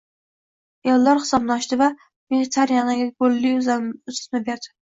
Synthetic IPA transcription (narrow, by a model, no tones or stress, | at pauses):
jɒlːaɾχɨ̥sɒbnaʃt̪ɪva | veɡʲɪt̪ʰaɾjanɪɡʲaɡolːɪzʊst̪nɪbeɾd̪ɪ